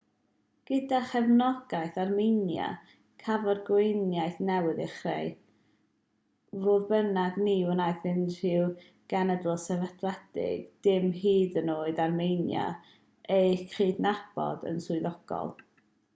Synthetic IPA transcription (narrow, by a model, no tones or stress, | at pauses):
ɡ̥ədaχɛvnɔɡ̥ajθarmɪnja̰ | kʰavɔdɡwejnjajθnɛwɪðɛχrḛj | voːðbənadniwənajθɪn̥ɪw | ɡ̥anədəlˠsɛvaθʰlɛd̥ɪ̰ɡ̥d̥ɪmɦiːðənoːɨdarmejnja̰ | ejkʰr̥iːdnab̥ɔ̰də̰nsʊɨðɔɡ̥ɔ̰lˠ